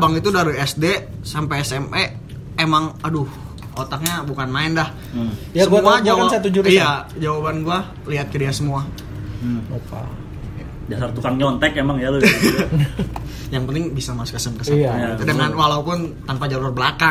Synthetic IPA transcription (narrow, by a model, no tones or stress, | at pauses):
baŋit̪udaɾuɛsdesampaɛsɛme | emaŋadʊh | ot̪ak̚ɲabukanmaɪndah | səmmuad͡ʒawsat̪ud͡ʒuijad͡ʒawabanɡua | liɦat̪̚kədiasəmua | upa̰ | dasart̪ukaŋɲɔnt̪ɛkemaŋjalu | jaŋpənt̪ɪŋbisamaskəsəmkəsaadəŋanwalaupʊnt̪anpad͡ʒalʊrbəlaka